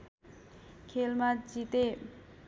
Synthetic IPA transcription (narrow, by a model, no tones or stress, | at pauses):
kʰelmat͡ɕit̪e